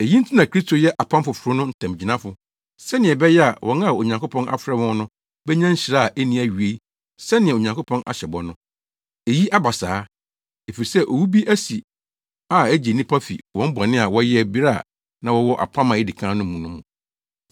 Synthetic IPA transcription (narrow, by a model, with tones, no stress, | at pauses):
e˨ji˦n̩˦tʰi˦nã˨kʰɾi˦stʰo˨jɛ˦ʔa˨pʰã˦mfʊ˨fʊ˨ɾʊ˦nʊ̃˦n̩˦tʰã˨m˨d͡ʑi˨nã˦fʊ˨ | sɛ˦nɪ̃˨ɛ˨bɛ˦jɛ˦a˨wʔɔ̰̃˨˦na˦˨o˨ɲã˨ŋko˦pʰɔ̃˦nʔa̰˨fɾɛ˦wɔ̃˦n˦nʊ̃˦ | bɛ˦ɲã˦ɲ̩˦ɕɾa˦˨ʔe˦nĩ˦æ˨ɥɥe˦i˦ | sɛ˦nɪ̃˨ɛ˨o˨ɲã˨ŋko˦pʰɔ̃˦na̰˨ɕɛ˨bɔ˨nʊ̃˦ | e˨ji˦ʔa˦ba˨saː˨˦ | e˨fi˨ɾi˨sɛ˦ʔo˨wu˦bi˦ʔæ˦si˨ | a˨æ˦d͡ʑi˨nĩ˦pʰa˦fḭ˨wɔ̃˨˦m̩˦bɔ̃˨nɪ̃˦a˨wɔ˦jɛ˦˨bi˦ɾa˦˨ | nã˦wɔ˦wɔ˦ʔa̰˨pʰã˦mã˨e˦di˨kʰãː˦nʊ̃˦m˦mũ˨nʊ̃˦mũ˨